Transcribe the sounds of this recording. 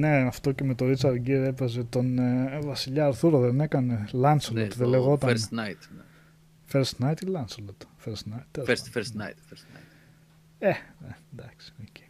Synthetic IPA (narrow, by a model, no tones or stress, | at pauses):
ne̞ɐft̪o̞ce̞me̞t̪o̞ɾit͡sɐɾɟiɾepezet̪o̞nvɐsiʎɐːɾθuɾoðene̞kɐne̞lɐnselot̪ðeleɣo̞t̪ɐɾsnat̪n | feɾst̪nɐjt̪ilɐnslot̪feɾst̪nɐjt̪fsfeɾsna̰jt̪fɾsa̰ | ened̪ɐksi̥oce̥